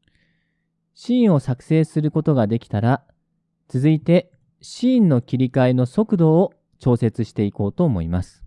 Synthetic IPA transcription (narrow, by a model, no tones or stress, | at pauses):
ɕĩːɰ̃o̞sakɯ̟̥se̞ːsɨɾɯ̟ko̞t̪o̞ɡad̪e̞kʲi̥t̪aɾa | t͡sɨzɨit̪e̞ | ɕĩːnːo̞kʲiɾʲikaeno̞so̞kɯ̟d̪o̞ː | t͡ɕo̞ːse̞t͡sɨɕi̥t̪e̞iko̞ːt̪o̞ːmo̞imasɨ̥